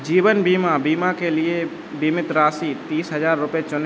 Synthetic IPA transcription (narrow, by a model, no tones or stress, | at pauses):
d͡ʒiːbənbiːmabiːmakelie | bimɪt̪ɾaːsit̪iːsɦəd͡ʒaːɾːʊpjet͡ʃʊn